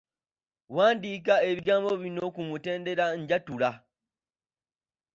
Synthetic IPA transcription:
waːndik̬ae̞βiɡaːmbo̞βino̞kumute̞ːnde̞ɾaɲɟatula

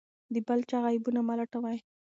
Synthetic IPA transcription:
d̪əbalt͡ʃaɣajbunamalaʈawaj

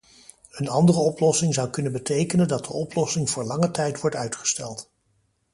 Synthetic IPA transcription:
ənɑndərəɔplɔsɪŋzɑwkɵnənbətejkənəndɑt̚dəɔplɔsɪŋvʊːɹlɑŋətɛjtʋɔɹtœɥtχə̥stɛlˠt

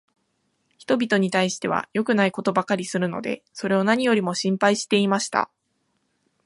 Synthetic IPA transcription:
çi̥t̪o̞bʲit̪o̞ɲ̟it̪aiɕi̥t̪e̞β̞a̰jo̞kɯ̟naiko̞t̪o̞bakaɾʲisɨɾɯ̟no̞̰d̪e̞̰so̞ɾe̞o̞naɲ̟ijo̞ɾʲimo̞ɕĩmpaiɕi̥t̪e̞imaɕi̥t̪a̰

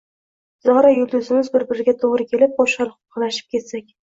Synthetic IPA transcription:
z̥ɒʁɾajʊld̪ʊzɪmɪzbɪɾbɪɾɪɡʲat̪ʰoʁɾɪkʲʰe̞lɪp̚bɒʃɑlˠχʊʊ̥qʰɑlaʃɪ̥p̚kʲʰe̞t̪sakʲ

